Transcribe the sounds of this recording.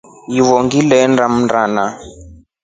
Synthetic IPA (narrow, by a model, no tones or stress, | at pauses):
jiβɔŋɡilɛndam̩ndana